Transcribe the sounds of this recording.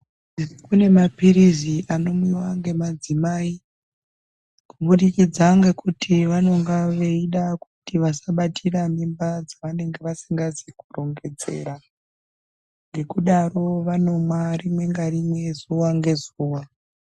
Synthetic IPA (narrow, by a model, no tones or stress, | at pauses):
kune̞mapiɾiziʔano̞muiwaŋɡe̞mad͡zimaːi | kuɓuɗikid͡zaŋɡe̞kutʰiʋano̞ŋɡaʋe̞iɗakutiʋasaɓatʰiramimbad͡zaʋane̞ŋɡe̞ʋasiŋɡaziku̥ro̞ŋɡe̞d͡ze̞̰ɾa | ŋɡe̞kuɗaro̞ʋano̞marimwe̞ŋɡarimwe̞zuʋaŋɡe̞zuːwa